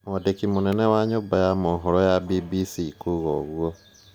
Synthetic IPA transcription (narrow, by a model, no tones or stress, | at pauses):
mɔdekimunɛnɛwaɲuːbajamoːɦɔɾɔjabibisikuɣɔɣuo